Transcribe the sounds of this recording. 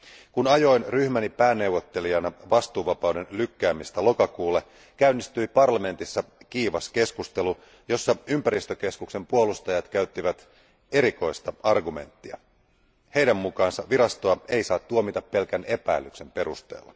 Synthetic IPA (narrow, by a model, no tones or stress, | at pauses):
kunɑjo̞inryçmænipæːnːe̞uwʋːot̪ːe̞liɑnɑʋɑst̪uːʋɑpɑwde̞nlykːæːmist̪ælo̞kɑkuːlːe | kæynːist̪yjpɑrlɑme̞nt̪isːɑkiːʋɑske̞skust̪e̞lu | jo̞sːɑympæɾist̪øk̟e̞skukse̞mpuolust̪ɑjɑt̪kæyt̪ːiʋæt̪ | e̞ɾiko̞ijst̪ɑɑrɡume̞̰nt̪ːiɑ̰ | hejdæmːukɑːnsɑʋiɾɑst̪oɑe̞jsɑːt̪ːuomit̪ɑpːe̞lkæne̞pæ̰ilːykse̞mpe̞ɾust̪e̞̰ːlːɑ̰